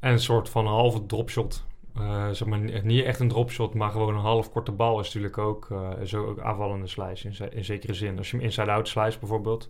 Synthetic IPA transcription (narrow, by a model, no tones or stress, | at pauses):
ɛnənsoːɹtfɑnənɦɑlˠvədrɔpʃɔt | zɛχmaːɹniɛχtəndrɔpʃɔtmaːɹχəʋownənɦɑlˠəfkɔɹtəbɑlˠɪsntyːɹləkowkʰzoa̰ːvɑlˠəndəslɛ̰jsɪnɪnzejkərəzɪnɑsjəmɪnsɛjdawtslɛjsdbɛjvoːɹbeːlˠt